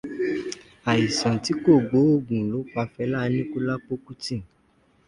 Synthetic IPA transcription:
a˨i˨sã˨ti˨˦ko˦˨ɡ͡bo˨˦o˦˨ɡũ˨lo˨˦k͡pa˧fɛ˧˦la˦˧nĩ˦ku˦la˦k͡po˦ku˦tĩ˦˨

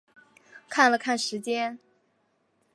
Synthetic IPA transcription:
kʰa˥˩nlə˩kʰa˥˩nʂɻ̩˧˥t͡ɕjɛ˥n

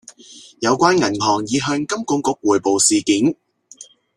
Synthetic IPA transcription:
jɐ˨˧wkʷaː˥nŋɐ˨˩nɦɔː˨˩ŋjiː˨˧ɦœː˧ŋkɐ˥mkʊ˧ŋkʊ˨˧˥k̚wuː˨˩jpo˨wsiː˨kiː˨˥n

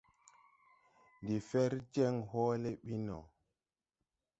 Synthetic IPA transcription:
ndi˨fɛ˦ɾd͡ʒɛ˦ŋhɔː˦lɛ˦ɓi˦nɔ̰˨

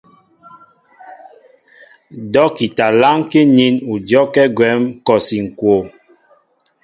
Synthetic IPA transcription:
dɔ˨˦ki˨ta˨la˦ŋke˦ɲi˦nu˨d͡ʒɔ˦kɛ˦ɡwɛ˨˦mkɔ˨si˨ŋ̩˨kwo˨

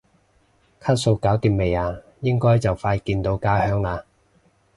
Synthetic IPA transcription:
kʰaː˥t̚so˧wkaː˨˥wt̪iː˨˧me˨˩jaː˧ | jɪ˥ŋkɔː˥jt͡sɐ˨˩wfaː˧jkiː˧nt̪o˨˧wkaː˥hœː˥ŋlaː˧

